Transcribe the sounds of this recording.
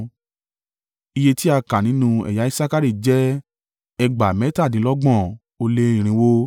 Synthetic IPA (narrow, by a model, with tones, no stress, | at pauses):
i˧je˧ti˦a˧ka˨nĩ˨˦nũ˧ɛ̰˨ja˨˦i˦sa˦ka˦ɾi˦˨d͡ʒɛ˦ | ɛ˧ɡ͡ba˨mɛ̃˨˦ta˦˨dĩ˨˦lɔ˦ɡ͡bɔ̃˦˨ | o˧le˧˦ĩ˨ɾ̃ĩ˧˦wo˧